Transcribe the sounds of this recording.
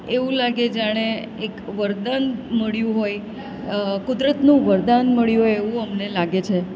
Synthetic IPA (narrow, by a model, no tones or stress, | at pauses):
eʋũlaɡed͡ʒaɽ̃e | ekʋəɾd̪anməɭjũɦoj | kʊd̪ɾət̪nũʋəɾd̪anməɭjũɦojeʋũəmnelaɡet͡ʃʰe